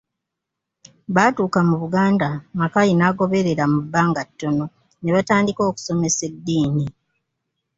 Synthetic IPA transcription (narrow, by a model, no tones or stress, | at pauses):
βaːtuːkamuβuɡaːndamakajinaːɡo̞βe̞ɾe̞ɾamubːaːŋɡatːo̞no̞ | ne̞βataːndiko̞ːku̥so̞me̞se̞dːiːni